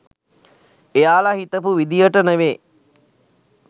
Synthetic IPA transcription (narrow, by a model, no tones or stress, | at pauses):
ejaːlahit̪əpuʋid̪ijəʈəneʋeː